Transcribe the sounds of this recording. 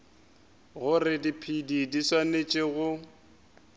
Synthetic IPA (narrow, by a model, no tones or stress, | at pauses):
ɣʊrɪdipʰididiswanet͡ʃʼɪɣʊ